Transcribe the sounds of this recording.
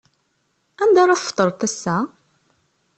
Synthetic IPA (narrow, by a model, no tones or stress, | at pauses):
ænd̪ɑɾˤɑθfə̥t̪ˤːəɾˤt̪æsːæ